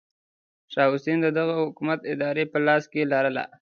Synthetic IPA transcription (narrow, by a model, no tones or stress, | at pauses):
ʃɑʊsend̪əd̪aɣahʊkumat̪ɪd̪ɑɾepəlɑskelɑɾəla̰